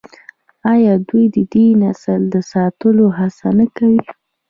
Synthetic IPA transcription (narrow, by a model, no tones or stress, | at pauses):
ɑjɑd̪ujd̪əd̪inasəld̪əsɑt̪əloɦasanakawi